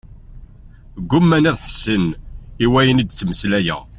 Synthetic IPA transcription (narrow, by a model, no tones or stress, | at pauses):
ɡʷːʊmːænæðħsəniwæjənid̪t͡sːməslæjə̰ʁ